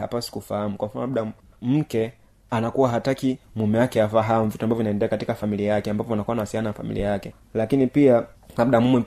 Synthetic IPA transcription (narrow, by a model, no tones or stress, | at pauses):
a̰pasi̥kufahamukwam̩fanɔlaɗa | m̩kɛ | anakuwaɦatakimumɛwakɛafaɦamuvituambavɔvinaɛndɛakatikafamiliajakɛambapɔanakuanaasiananafa̰mḭlḭajakɛ | lakinipia | laɗamumwɛ